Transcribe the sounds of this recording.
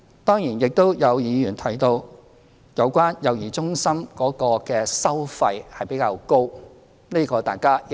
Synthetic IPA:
t̪ɔː˥ŋjiː˨˩njɪ˨k̚t̪o˥wjɐ˨˧wjiː˨˧jyː˨˩nt̪ʰɐ˨˩jt̪o˧w | jɐ˨˧wkʷaː˥njɐ˨˧wjiː˨˩t͡sʊ˥ŋsɐ˥mkɔː˨˥kɔː˧kɛː˧sɐ˥wfɐ˧jhɐ˨˩jpe˨˥jkaː˧wko˥w | ni˥kɔː˧t̪aː˨˩jkaː˥

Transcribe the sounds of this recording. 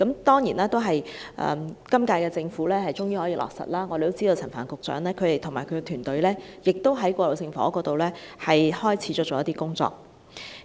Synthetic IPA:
kɐ˨˥mt̪ɔː˥ŋjiː˨˩nɛː˥t̪o˥wɦɐ˨jʔɛ̰ː˨mkɐ˥mkaː˧jkɛː˧t͡sɪ˧ŋfuː˨˥lɛː˥hɐ˨˩jt͡sʊ˥ŋjiː˥hɔː˨˥jiː˧lʔɔ̰ː˨k̚sɐ̰˨t̚laː˥ŋɔː˨˧e˨t̪o˥wt͡si˥d̪o˧wt͡sʰɐ˨˩nfaː˨˩nkʊ˨k̚t͡sœ̰ː˨˥ŋlɛː˥kʰɵ˨˧ɥt̪e˨jt̪ʰʊ˨˩ŋmaː˨˩jkʰɵ˨˧˥kɛ˧t̪ʰyː˨˩nt̪ɵ˨˧ɥlɛː˥jɪ˨k̚t̪o˥wɦɐ˨˥jkʷɔː˧lo˨˩wsɪ˧ŋfɔ̰ː˨˥kɔː˧t̪o˨wlɛː˥hɐ˨jhɔː˥jt͡sʰiː˨˥t͡sɔː˥t͡ʃoː˨jɐ˥t̪iː˥kʊ˥ŋt͡sɔ̰ː˧˨k̚

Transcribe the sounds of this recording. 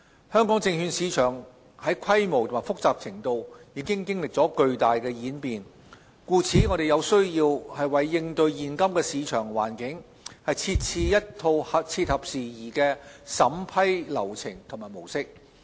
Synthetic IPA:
hœː˥ŋkɔː˨˥ŋt͡sɪ˧ŋhyː˧nsiː˨˧t͡ʃʰœː˨˩ŋ | hɐ˨˥jkʷʰɐ˥jmo˨wt̪ʰo˨˩maː˨˩fʊ˥k̚t͡saː˨p̚t͡sʰɪ˨˩ŋt̪o˨wjiː˧kɪ˥ŋkɪ˥ŋlɪ˨k̚t͡sɔː˨˥kɵ˧ɥt̪aː˨jkɛː˧jiː˨˥npiː˨n | kuː˧t͡sʰiː˨˥ŋɔ˨˧ɾe˨jɐ˨˧wsɵ˥ɥjiː˧whɐ˨jwɐ˨jːɪ˧ŋt̪ɵ˧ɥjiː˨nkɐ˥mkɛː˧siː˨˧t͡ʃʰœː˨˩ŋwa̰ː˨˩nkɪ˨˥ŋ | hɐ˨jt͡sʰiː˧t̚t͡sʰiː˧jɐ˥tt̪ʰo˧whɐ˨t͡sʰiː˧t̚hɐ˨p̚siː˨˩jiː˨˩kɛː˧sɐ˨˥mpʰɐ˥jlɐ˨˩wt͡sʰɪ˨˩ŋt̪ʰʊ˨˩ŋmaː˨jmo˨˩wsɪ˥k̚

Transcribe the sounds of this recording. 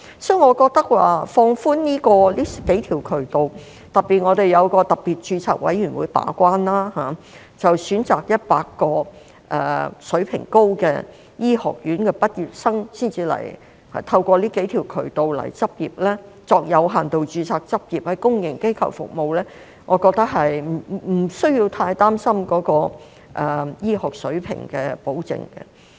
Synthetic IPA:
sœ˥ŋɔː˨˧kɔː˧k̚t̪ɐ˥k̚wa̰ː˨fɔː˧ŋfuː˥nniː˥kɔː˧liː˥ke˨˥jt̪ʰiː˨˩wkʰɵ˨˩ɥt̪o˨w | t̪ɐ˨t̚pːi˨t̚ŋɔː˨˧ɾe˨˩jɐ˨˧wkɔː˧t̪ɐ˨˩p̚pːiː˨t̚t͡ʃyː˧t͡sʰa̰ː˨k̚wɐ̰˨˥jɥyː˨˩nwṵː˨˥jpa̰ː˨˥kʷaː˥nlaː˥haː˨˩ | t͡sɐ˨wsyː˨˥nt͡saː˨k̚jɐ˥t̚paː˧kːɔː˧ | ʔɛ̰ː˨sɵ˨˥ɥpʰɪ̰˨˩ŋko˥wkɛ̰ː˧ | jiː˥hɔ̰ː˨˩k̚jyː˨˥nkɛː˧pɐ˥t̚jyː˨˩t̚sɐ˥ŋsiː˥nt͡siː˧lɐ̰˨˩j | hɐ̰˨t̪ʰɐ˧wkʷɔː˧liː˥ke˨˥jt̪ʰiː˨˩wkʰɵ˨˩ɥt̪o˨wlɐ̰˨˩jt͡sɐ˥p̚jiː˨p̚lɛː˥ | t͡sɔː˧k̚jɐ˨˧wɦaː˨˩nt̪o˨wt͡ʃyː˨˧t͡sʰaː˧k̚t͡sɐ˥p̚jiː˨˩p̚hɐ˨˧jkʊ˥ŋjɪ˨˩ŋke˥jkʰɐ̰˨˩wfʊ̰˨k̚mo˨wlɛː˥ | ŋʔɔː˨˧kɔː˧k̚t̪ɐ˥k̚ɦɐ˨jm˨˩m̩˨˩sɵ˥ɥjiː˧wt̪ʰaː˧jt̪aː˥msɐ˥mkɔː˨˧˥kɔː˧ | ʔɛ˨jiː˥ɦɔː˨k̚sɵ̰˨˥ɥpʰɪ̰˨˩ŋkɛː˧po˨˥wt͡sɪ̰˨ŋkɛ̰˧

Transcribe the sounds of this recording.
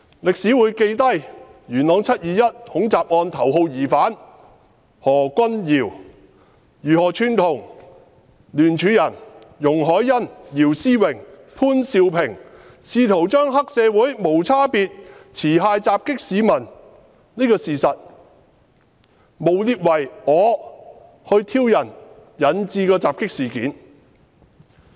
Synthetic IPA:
lɪ˨k̚siː˨˥wuː˨˥jke˧jt̪ɐ˥jjyː˨˩nlɔː˨˧ŋt͡sʰɐ˥t̚jiː˨˧jɐ˥t̚hʊ˨˥ŋt͡saː˨p̚ŋɔː˧nt̪ʰɐ˨˩wɦo˧wjiː˨˩faː˨˥n | hɔː˨˩kʷɐ˥njiː˨˩w | jyː˨˩hɔː˨˩t͡ʃʰyː˨˧nt̪ʰʊ˨˩ŋ | lyː˨˩nt͡ʃʰyː˨˥jɐ˨˩njʊ˨˩ŋɦɔː˨˥jːɐ˥njiː˨˩wsiː˥wɪ˨˩ŋ | pʰuː˥nsiː˧wpʰɪ˨˩ŋ | siː˧t̪ʰo˨˩wt͡ʃœː˥ŋɦɐ˥k̚sɛː˨˧wuː˨˥jmo˨˩wt͡sʰaː˥piː˧t̚t͡sʰiː˨˩ɦaː˧jt͡saː˧p̚kɪ˥k̚siː˨˧mɐ˨˩n | niː˥kɔː˧siː˨˩sɐ˨t̚ | mo˨˩wliː˧t̚wɐ˨˩jɔː˨˧ | hɵ˧ɥt̪ʰiː˧wjɐ˨˩njɐ˨˥nt͡siː˧kɔː˧t͡saː˨p̚kɪ˥k̚siː˨˩kiː˨˥n

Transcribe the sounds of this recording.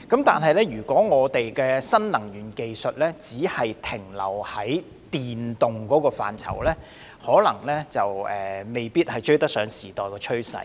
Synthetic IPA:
kɐ˨˥mt̪aː˨nɦɐ˨jlɛː˥jyː˨˩kʷɔː˨˥ŋɔː˨˧t̪e˨jkɛː˧sɐ˥nlɐ˨˩ŋjyː˨˩nke˨jsɵ˨t̚lɛː˥t͡siː˨˥hɐ˨jt̪ʰɪ˨˩ŋlɐ̰˨˩whɐ˨˥j | t̪iː˨nt̪ʊ˨ŋkɔː˨˥kɔː˧fa̰ː˨nt͡sʰɐ̰˨˩wlɛː˥ | hɔː˨˥lɐ˨˩ŋlɛː˥t͡sɐ˨wɛː˨me˨jpiː˥t̚hɐ˨jt͡ʃɵ˥ɥt̪ɐ˥k̚sœː˨˥ŋsiː˨˩t̪ɔː˨jkɔː˧t͡ʃʰɵ˥ɥsɐ̰˨˧˩

